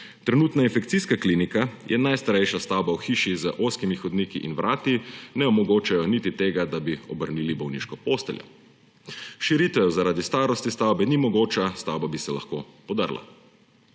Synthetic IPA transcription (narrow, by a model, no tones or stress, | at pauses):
t̪ɾɛnuːt̪nainfɛkt̪siskaklinikajʔɛnajst̪aɾɛjʃast̪awbawxiːʃizəʔoskimixɔd̪niːkḭʔinʋɾʔaːt̪inɛɔmɔɡoːt͡ʃajɔnit̪it̪eːɡad̪abiɔbəɾniːlibɔwnḭːʃkɔpoːst̪ɛljɔ̰ | ʃiɾit̪ɛzaɾaːd̪ist̪aːɾɔst̪ist̪awbɛnimɔɡoːt͡ʃast̪awbabisɛla̰xkoːpɔd̪a̰ɾla̰